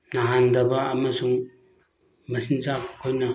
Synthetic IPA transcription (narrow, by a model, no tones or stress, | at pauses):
naɦandɐbɐːmɐsuŋ | mɐsinzakkʰːojnɐ